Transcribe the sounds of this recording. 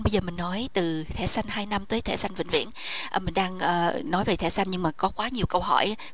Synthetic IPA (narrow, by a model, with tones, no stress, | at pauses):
ɓə˧jzəː˨˩mï˨˩ŋ̟nɔ˨˦jt̪ɨ˨˩t̪ʰḛ˧˩sa˧jŋ̟haː˧jna˧mt̪əː˨˦jt̪ʰe˧˩sa˧jŋ̟vḭ˧˨ŋ̟vḭ˧˥ənʔːmï˨˩ŋ̟ɗaː˧ŋʔəː˨˩nɔ˨˦jve˨˩t̪ʰɛ̰˧˩sa˧jŋ̟ɲɨ˧ŋmaː˨˩kɔ˨˦kwaː˨˦ɲi˨˩əwkə˧wɦɔ̰˧˩j